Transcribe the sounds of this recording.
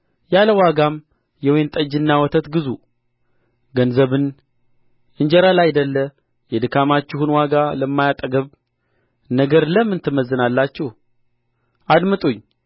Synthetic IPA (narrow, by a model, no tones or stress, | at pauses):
jaləwaɡam | jɛwent̪ʼəd͡ʒːɨnːawɔt̪ʰət̪ɡɨzu | ɡənzəβɨn | ʔɨɲd͡ʒɛɾalajd̪əlːə | jɛd̪ɨkʰamat͡ʃːɪhunwaɡaləmːajat̪ʼəɡəβ | nəɡəɾləmːɨnt̪ʰɨməzːɨnalːat͡ʃːɛh | ad̪mɨt̪ʼuɲː